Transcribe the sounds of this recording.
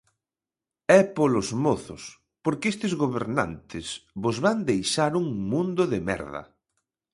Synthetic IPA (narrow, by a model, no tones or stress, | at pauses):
ɛpolozmoθʊs | poɾkest̪ɪzɣoβeɾna̰nt̪ʰɪsβozβand̪ejʃaɾuŋmũnd̪ʊðɪmɛ̰ɾðɐ̰